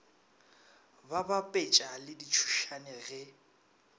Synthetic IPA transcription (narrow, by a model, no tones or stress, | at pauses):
babapʼet͡ʃʼalɪdit͡ʃʰu̥ʃanɛɣɪ